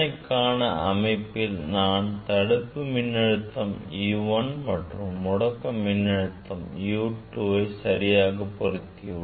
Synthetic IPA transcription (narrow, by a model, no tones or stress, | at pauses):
ɐɪkːaːɳɐɐmɐɪpːɪlnaːnt̪ɐɽɯpːɯminːɐɻɯt̪ːɐmiʋɐnmɐʈrumːɔɽɐkːɐmːɪnːɐɻɯt̪ːɐmjuːʈːuːbɐɪsɐɾɪjaːɣɐpːɔrɐt̪ːijɐ